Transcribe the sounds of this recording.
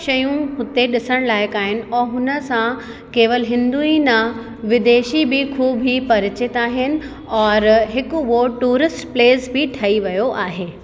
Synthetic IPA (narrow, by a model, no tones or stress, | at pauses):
ʃɐjũɦʊt̪eɗɪsəɽ̃laːɪkaːɦɪnɪ̆ɔːɦʊnə̆sã | keːʋəlɦɪ̃nd̪uinɐ | ʋɪd̪eːʃibɪkʰuːbʱipɐɾɪt͡ɕɪt̪aːɦɪnɪ̆ | ɔːɾɦɪkʊʋoʈuːɾɪsʈpleːsbɪʈʰɐiʋɐjoʔaːɦeː